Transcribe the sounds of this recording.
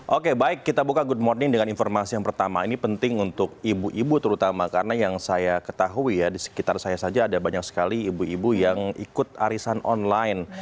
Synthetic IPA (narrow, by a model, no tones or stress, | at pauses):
ʔokebaɪkːit̪abukaɡud̚mɔrnɪŋdəŋaninfɔrmasijaŋpərt̪ama̰inipənt̪ɪŋunt̪ʊk̚ibuʔibut̪əɾut̪amakaɾənajaŋsajakət̪aɦuijadisə̥kit̪arsajasad͡ʒaːdabaɲak̚sə̥kaliːbuibujaŋḭkʊt̪̚a̰ɾisanʔɔ̰nlajn